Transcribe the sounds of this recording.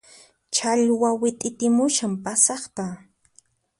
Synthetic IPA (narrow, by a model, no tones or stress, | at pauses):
t͡ʃaʎwawɪt̪ʼɪt̪ɪmʊʃampasɑχt̪a